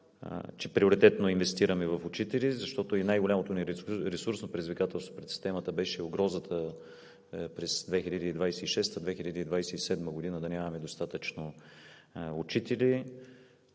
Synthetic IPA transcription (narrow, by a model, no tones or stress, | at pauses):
t͡ʃɛpɾioɾit̪ɛt̪noinvɛst̪iɾəmɛvɐfʊt͡ʃit̪ɛlizɐʃt̪ɔt̪oinajɡolʲamot̪oniɾɾɛsuɾsnopɾɛd̪izvikat̪ɛlˠst̪vo̥pɾɛt̪si̥st̪ɛmət̪əbɛʃɛoɡɾɔzət̪ʰə | pɾɛsd̪vɛxilʲəd̪əid̪vajsɛiʃɛst̪əd̪vɛxilʲəd̪əid̪vajsɛisɛd̪məɡod̪inəd̪ɐnʲamɐmɛd̪ost̪at̪ət͡ʃno | ʊt͡ʃit̪ɛli